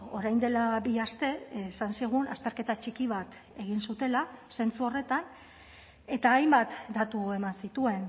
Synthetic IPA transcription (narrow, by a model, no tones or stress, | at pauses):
o̞ɾajnd̪e̞labiast̪e̞esansiɣ̞una̰st̪e̞ɾke̞t̪at͡ʃikiβ̞at̪ | e̞ɣ̞insut̪e̞lase̞nt͡suo̞re̞t̪an | e̞t̪aːjmbat̪d̪at̪ue̞mansit̪ue̞n